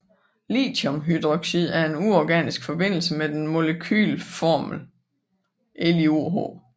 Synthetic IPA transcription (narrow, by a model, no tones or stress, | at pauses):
lḭːdomɦyd̥ʁoɡ̥ɕið̰ˠæɐe̝nuɒɡ̥ɛ̰ːnisɡ̥fɒ̽b̥e̝n̰l̩səmed̥enmo̝ləkʰy̰ːlfɒːml̩ | ʔelioɦo̝̰